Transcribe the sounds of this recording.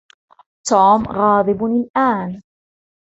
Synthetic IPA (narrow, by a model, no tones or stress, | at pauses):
t̪uːmɣɑːðˤɨbnɪlʔaːn